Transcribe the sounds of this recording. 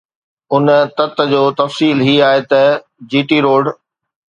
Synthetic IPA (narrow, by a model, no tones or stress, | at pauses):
ʊnt̪ɐt̪ə̆d͡ʑoːt̪ɐfsiːlɦiːaːɦet̪ɐ | d͡ʑiːʈiɾoːɖ